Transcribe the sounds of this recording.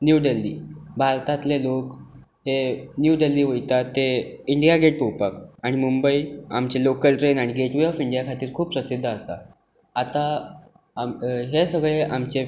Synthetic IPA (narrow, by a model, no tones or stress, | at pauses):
njuɖelːḭːbʱaɾt̪at̪lelok | ɦhenjuɖelːiːʋəjt̪at̪ːeiɳɖijaɡeʈ̚powpakaɽ̃imumbəia̰mt͡ɕelokəlʈɾenaɽ̃iɡeʈʋeɔfiɳɖijakʰat̪iːɾkʰuːp̚pɾəsid̪ʱːəəsa̰ | at̪a | ɦesəɡɭeʔamt͡ɕe